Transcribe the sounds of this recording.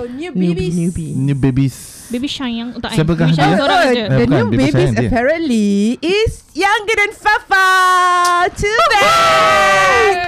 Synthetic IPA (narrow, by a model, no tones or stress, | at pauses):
onjuinunjubebis | bebiʃajãŋsajpəkaiodənubebĩsəpɛɹə̃nliɪis | jãŋɡədɛ̃nfafa | tʰudɛ